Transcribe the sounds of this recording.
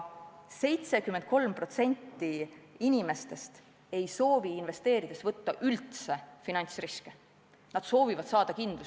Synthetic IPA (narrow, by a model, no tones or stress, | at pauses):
se̞jt̪se̞kymːent̪̚ko̞lmpro̞t̪se̞nʲt̪ːiinʲime̞st̪e̞st̪ | e̞jso̞ːviinve̞st̪eːɾid̪̥e̞svɤt̪ːɑʔylt̪se̞finɑnʲt̪sriske | nɑd̪̥so̞ːvivɑd̪̥sɑːd̪̥ɑkind̪̥lu